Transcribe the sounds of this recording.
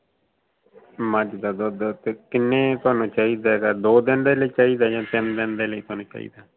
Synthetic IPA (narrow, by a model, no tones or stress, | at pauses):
məd͡ʒd̪aːd̪oːd̪t̪eːkɪnːẽːt̪oaːnũːt͡ʃaːiːd̪aːɡaːd̪oːd̪ɪnd̪eːləiːt͡ʃaːiːd̪aːd͡ʒãːt̪ɪnd̪ɪnd̪eːləiːt̪oaːnũːt͡ʃa̰ːḭːd̪aː